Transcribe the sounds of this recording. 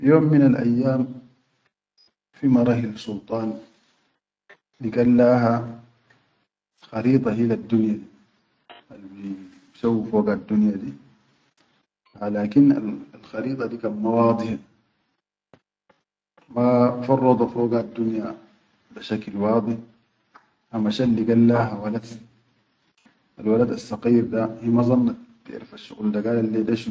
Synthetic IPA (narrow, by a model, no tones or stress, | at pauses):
joːmːinalʔajːaːm | fimɑɾˤɑːxilasult̪ˤɑːn | nikalːaːɦa | xɑɾiːt̪ˤɑɦilad̪ːunja | halbi | bsawːifoːɡad̪ːunjad̪iː | alaːkina̰alxɑɾiːt̪ˤɑd̪iːkanmawɑːd̪ˤɨħ | mafɑrˤːɑd̪ˤɑfoːɡad̪ːunja | biʃaklwɑːd̪ˤɨħ | hamaʃalːiɡalːaːɦawalad̪ | ʔalwalad̪asːɑqiːɾd̪ahimazˤɑnːab̥ḭʔɾifaʃːuɣld̪aɡaːlalːid̪aʃ